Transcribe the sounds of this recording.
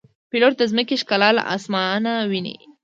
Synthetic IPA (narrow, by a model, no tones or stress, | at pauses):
piloʈ̪̚d̪əzməkeʃkalɑl̰ʔa̰smɑnawinḭ